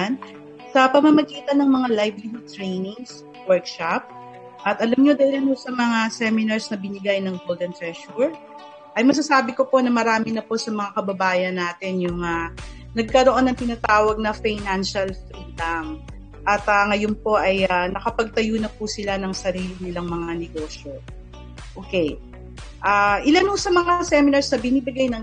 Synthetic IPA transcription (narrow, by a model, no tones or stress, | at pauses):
n | sɐpɐmɐmɐɡiːt̪ɐnɐŋmɐŋalajbliɦʊd̪̚t̪ɾɛjnɪŋs | wɛɹkʃap̚ | ʔɐt̪ʔɐlɐmɲo̞d̪aːɪlɐnosɐmɐŋasɛmɪnɐɹsnɐbɪnɪɡajnɐŋɡold̪ɐnt̪ɹɛʃuɹ | ʔɐjmɐs̬ɐsaːbɪko̞po̞nɐmɐɾaːmɪnɐpo̞sɐmɐŋakɐbɐbaːjɐnːaːt̪ɪnjʊŋa | nɐɡ̚kɐɾo̞ʔonːɐŋt̪ɪnat̪aːwɐɡ̚nɐfajnanʃɐlfɾiːlaŋ | ʔɐt̪aŋɐjonpo̞ʔɐjanɐkɐpɐɡ̚t̪ɐjuːnɐpusɪlanɐŋsɐɾiːlɪnɪlaŋmɐŋanɛɡo̞ːʃjo̞ | ʔoːkɛj | ʔaʔɪlanhosɐmɐŋasɛmɪnɐɹsnɐbɪnibɪɡajnɐŋ